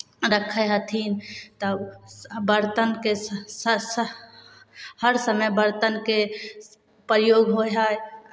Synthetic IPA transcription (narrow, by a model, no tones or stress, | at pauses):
ɾəkʰəɦət̪ʰiːnt̪ə | bəɾt̪ənke | həɾsəməbəɾt̪ənke | pɾjoːɡɦoɦae